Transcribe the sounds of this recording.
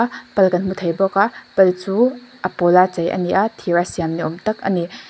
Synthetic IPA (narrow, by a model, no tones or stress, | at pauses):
pɐlkɐnmutʰɐjbɔkapɐlt͡suɐpolat͡ʃɐjɐ̰niʔatʰiɾasijamniɔmtɐk̚ɐ̰ni